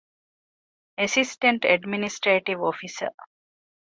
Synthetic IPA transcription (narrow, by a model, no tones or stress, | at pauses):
esisʈẽɳʈɛɖminisʈɾeːʈiʋofisə̰